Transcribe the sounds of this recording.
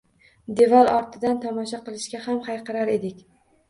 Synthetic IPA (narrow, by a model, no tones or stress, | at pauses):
d̪e̞valˠɒɾt̪ʰɪd̪ant̪ʰɒmɒʃaqɨlˠɪʃkʲahamhajqʰɑɾaɾe̞d̪ɪkʲ